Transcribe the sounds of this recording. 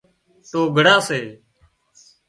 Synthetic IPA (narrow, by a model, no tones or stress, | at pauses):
t̪oːɡʱəɽãːseː